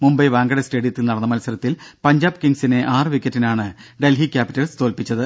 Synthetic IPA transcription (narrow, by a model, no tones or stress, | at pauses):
mumbɐjʋaːŋɡɐɽeste̞ːɽijɐt̪ːilnɐɽɐnːɐmɐlɐsɐɾɐt̪ːilpɐɲd͡ʑaːbkiŋɡsine̞ʔaːrʋikʲːɐtːinaːɳɨɖe̞lɦikʲːaːpitːɐlst̪o̞ːlpit͡ɕːɐðɨ